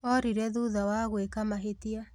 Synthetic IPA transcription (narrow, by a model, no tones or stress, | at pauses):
ɔɾiɾɛðuðawaɣwekamaɦetia